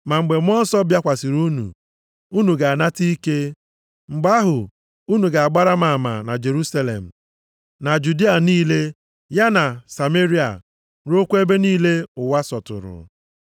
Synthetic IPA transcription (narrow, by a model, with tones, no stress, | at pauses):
ma˨ŋ͡m̩˨ɡ͡be˨m˦ɔ˦n̩˦sɔ˦bja˦kʷa˨si˨ɾu˦nṵ˨ | u˦nu˨ɡa˨a˨na˦ti˦i˦ke˦ | ŋ͡m̩˨ɡ͡ba˦ɦʊ˨ | u˦nu˨ɡa˨a˨ɡ͡ba˦ɾa˦ma˨ma̰˨na˨d͡ʒe˨ɾu˦sa˦lḛ˨m̩˨ | na˨d͡ʒu˨di˦a˨niː˦le˦ | ja˦na˨sa˨me˦ɾi˦a̰˨ | ɾo˦kʷe˦be˦niː˦le˦ʊ˨wa˦sɔ˨tʊ̰˨ɾʊ̰˨